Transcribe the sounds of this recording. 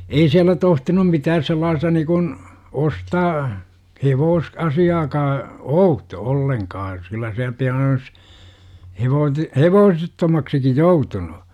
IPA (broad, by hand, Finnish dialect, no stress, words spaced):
ei siælːæ tohtinum mitæːs selːɑːstɑ nikun ostɑː heʋoːs ɑsiɑːkɑː outo olːeŋkɑː kylːæ siæl piɑn olis heʋoːt heʋoːsetːomɑksiki joutunu